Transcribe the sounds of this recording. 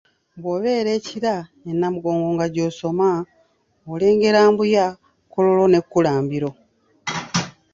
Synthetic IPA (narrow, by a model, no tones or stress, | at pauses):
bwoβe̞ːɾe̞ciɾaenːamuɡo̞ːŋɡoːŋɡaɟoːso̞ma | ole̞ːŋɡe̞ɾaːmbuja | kolo̞lo̞ne̞kːulaːmbiɾo̞